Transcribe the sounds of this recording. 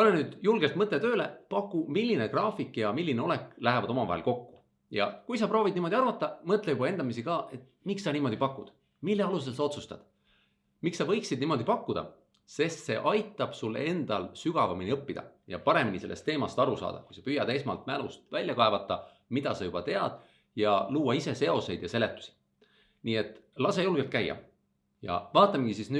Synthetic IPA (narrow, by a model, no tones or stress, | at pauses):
olenyːd̪̥julɡ̥elt̪mɤt̪let̪ø̞ːle̞pɑkːumilʲːine̞krɑːfikːjɑmilːineo̞leklæɦevɑd̪o̞mɑvɑ̰ɦḛlko̞kːu̥ | jɑ̰kujs̬ɑpro̞ːvid̪niːmo̞d̪̥ʲiɑrvɑt̪ːˑɑmɤt̪ˑlejubɑe̞nd̪̥ɑmisikɑːʔe̞t̪ | miksːɑniːmo̞d̪ipɑkːˑud̪̥ | milːe̞ɑlus̬e̞lsɑo̞t̪su̥st̪ɑ̰d̪̥ | miksɑvɤ̞jksid̪̚nimo̞d̪ipɑkːud̪̥ɑ̰ | se̞st̪se̞̰ʔɑjt̪ːˑɑb̥sulːe̞nd̪̥ɑlsyɡ̥ɑvɑminʲiɤpːid̪ɑ̰jɑ̰pɑɾe̞minise̞lːest̪ːˑe̞ːmɑst̪ɑɾusɑ̰ːd̪̥ɑkujsɑpyjɑd̪̥e̞smɑ̰lt̪mælust̪vælʲjɑkɑevɑt̪ːˑɑ | mid̪̥ɑsɑjub̥ɑt̪e̞ɑd̪̥ | jɑluːɑise̞se̞o̞se̞jd̪̥jɑse̞le̞t̪ːˑu̥si̥ | niːe̞t̪ːˑlɑse̞julɡ̥elt̪̚kæjːɑ̰ | jɑ̰vɑːt̪ːˑɑmɡ̥isisny